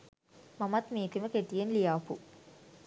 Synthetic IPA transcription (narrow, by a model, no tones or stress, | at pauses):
mɐmɐt̪miːt̪iməkeʈijenlijaːpu